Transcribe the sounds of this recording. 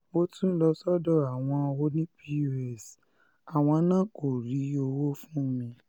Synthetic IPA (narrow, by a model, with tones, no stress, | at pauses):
mo˧˦tũ˦n̩˦lɔ˧sɔ˦dɔ˦a˨w̃ɔ̃˧wo˧˦nĩ˦pi˦ju˧ɛ˨s | a˨w̃ɔ̃˧nãː˦ko˨ɾi˨˦o˧wo˦fũ˦mĩ˧